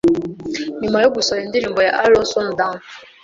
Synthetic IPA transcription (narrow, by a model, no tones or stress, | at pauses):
nimwajoɡusɔjendiɾiːmbɔja̰ʔaɾɔsɔm̩dam